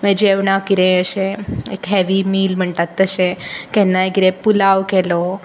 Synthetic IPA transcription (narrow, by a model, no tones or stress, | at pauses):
mɛ̃d͡ʑeʋɳakiɾẽəɕẽekɦɛʋimiːlm̤əɳʈ̪at̪ːəɕẽkɛ̃nːajekiɾẽpulaʋkɛlo